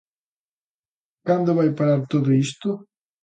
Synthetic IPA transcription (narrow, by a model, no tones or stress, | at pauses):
kand̪oβajpaɾaɾt̪oðoist̪o